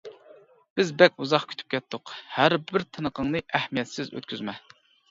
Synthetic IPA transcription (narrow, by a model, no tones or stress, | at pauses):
b̥ɪzbɛkʲuzɑχkʰʲy̥t̪ʰy̥p̚kʲʰɛt̪ʰːʊqhæɾbɪɾt̪ʰɨnəqʰəŋnɨʔæhmijɛt̪sɪzø̰t̪kʲʰyzmɛ